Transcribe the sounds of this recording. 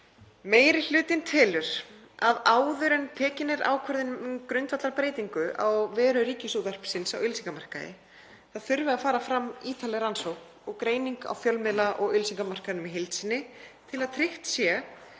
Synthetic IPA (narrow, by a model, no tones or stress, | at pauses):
meːjɾɪl̥ʏːt̪ɪnt̪ʰɪːlʏɾ̥ | aðaːwðʏɾɛnpʰɛːcɪnːɪɾa̰ːwkʰœɾðɪnkɾʏnt̪vat̪laɾpɾeːjt̪iŋkʏʔa̰wvɛːɾʏɾiːcɪsuðar̥psɪnsawʏlsiŋkamar̥kaðɪ̰ | θaðθʏɾvɪafaːɾafɾamːiːt̪ʰalɛjɾansowk | ɔɣkɾeːjniŋka̰wfjœlmɛlaʔɔɣʏlsiŋkamar̥kaðnʏmiɦɪlt̪sɪnːɪt̪ʰɪlaðt̪ʰɾɪht̪sjɛ